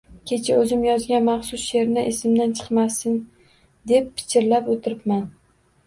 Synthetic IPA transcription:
kʲʰe̞t͡ʃʰaɵzɪmjɒzɡʲanmɑχsʊsʃeɾnɪʔesɪmd̪ant͡ʃʰɨ̥qmasɪn | d̪e̞pʰːɪ̥t͡ʃʲɪɾlapot̪ʰɪɾɪpman

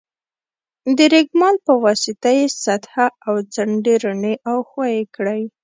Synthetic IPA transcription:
d̪əɾeɡmɑlpəwɑsɪt̪ajesat̪haawd͡zaɳɖeɾəneʔawxwɑjekɽəj

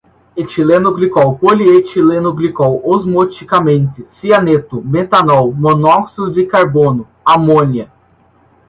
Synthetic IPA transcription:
et͡ʃilẽnʊɡlikɔwpoliet͡ʃilenʊɡlikɔwozmot͡ʃikamẽnt̪ɪsianet̪ʊbẽt̪anɔwmonɔksid̪ʊd̪ɪkaɾbõnʊ | amõniɐ

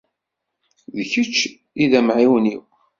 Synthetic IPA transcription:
ðəçət͡ʃː | iðæmʕiwniw

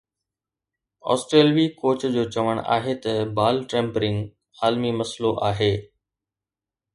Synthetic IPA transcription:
ɔ̰ːsʈɾeːlʋikoːt͡ɕd͡ʑoːt͡ɕɐʋəɽ̃a̰ːɦet̪ɐbaːlʈɾẽːmpɾɪ̃ŋɡ | aːlmimɐsloʔaːɦeː

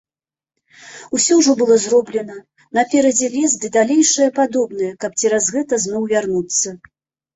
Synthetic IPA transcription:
usʲɔʐɔbɨlˠɔzrɔblʲɛnɐ | nɐpʲɛɾɐd͡zʲɛlʲɛzd̪ɨd̪alʲejʂɐjɐpad̪ɔbn̪ɐjɛkɐp̚t͡sʲɛɾazɣɛt̪ɐznɔwvʲarnut̪sːɐ

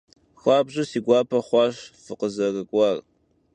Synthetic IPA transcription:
xʷɑːbʑɪsiːɡʷɑːpʰɐχʷɑːɕfɨqəzɐrɨkʷʼɑːr

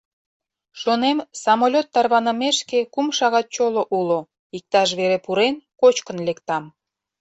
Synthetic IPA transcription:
ʃonemsɑmolʲot̪ːɑrβɑnəmeʃkekumʃɑɣɑt̪̚t͡ɕoloʔulo | ik̚t̪ɑʃ̬βeɾepuɾenkot͡ɕkənlekt̪ɑm

